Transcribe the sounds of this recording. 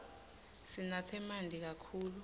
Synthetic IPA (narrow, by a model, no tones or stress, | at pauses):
sinasʰɛmandʱik̬akʰuːlu